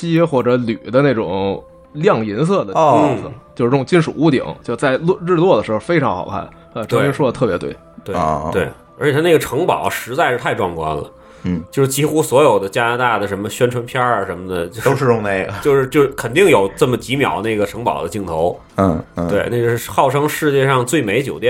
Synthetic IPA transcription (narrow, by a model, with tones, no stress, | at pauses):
t͡ɕi˥xwɔ˥˩ʈ͡ʂɤ˧˥ly˨˩d̪ə˦ne˥˩ʈ͡ʂʊ̰˨˩˦ŋ | ljɑ˥˩ŋi˧˥ns̬ɤ˥˩d̪ə˩˥˧st͡ɕjo˥˧ʊʂɻ̩˥˩ʊ˥˩ŋt͡ɕnʂu˨˩u˥t̪ḭ˨˩˦ŋt͡ɕjo˥˧ʊ˧t͡sa˥˧ɪlɻɻ̩˥˧lwɔ˥˩d̪ə˩ʂɻ̩˧˥xo˥˧fe˥ɪʈ͡ʂʰɑ˧˥ŋxɑ̰˨˩ʊkʰa̰˥˩n | a˥˧ʈ͡ʂɤ˥i˥ŋʂwɔ˥˧ə˧t̪ʰɤ˥˩pjɛ˧˥t̪we˥˩ɪt̪wḛ˥˩t̪we˥˩ɪ | ə˞˧˥t͡ɕjɛ˨˩a˥e˥˩ɡə˩ʈ͡ʂʰɤ˧˥ŋpɑ˨˩˦ʊʂɻ̩˧˥t͡sa˥˧ɪʂɻ̩˥˧t̪ʰa˥˧ɪʈ͡ʂwɑ˥˧˩ŋkwa̰˥nlə̰˩˥˩ | t͡ɕjo˥˧ʊʂɻ̩˥˩t͡ɕi˥xu˥swɔ˧˥jo˨˩ʊd̪ə˦t͡ɕja˥na˧˥t̪a˥˩d̪ə˩ʂə˧˥nmə˧ɕɥɛ˥nʈ͡ʂʰwə˧˥npʰjɑ˥ə˨˩ʂə˧˥nmə˧d̪ə˨˩t͡ɕjo˥˧o˥ʊʂɻ̩˧ʊ˥˧ŋne˥˩ɪɡə̰˩t͡ɕjo˥˧ʊʂɻ̩˥˧t͡ɕjo˥˧ʊ˥˩kʰə˨˩nt̪i˥˩ŋjo˨˩ʊʈ͡ʂə˥˩mə˩t͡ɕi˧˥mjɑ̰˨˩ʊne˥˩ɡə˩ʈ͡ʂʰɤ˧˥ŋpɑ̰˨˩ʊd̪ə˦t͡ɕi˥˩ŋt̪ʰo˧˥ʊ˧ | we˥˩ɪna˥˧˩ʂɻ̩˥˩˥xɑ˥˩ʊʈ͡ʂʰɤ˥ŋʂɻ̩˥˧t͡ɕjɛ˥˧ʂɑ˥˧ŋt͡swe˥˩ɪme˧˥ɪt͡ɕjo˨˩ʊt̪jɛ˥